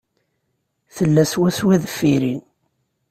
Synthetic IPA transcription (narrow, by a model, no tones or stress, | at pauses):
θəlːæswæswæðəfːiɾin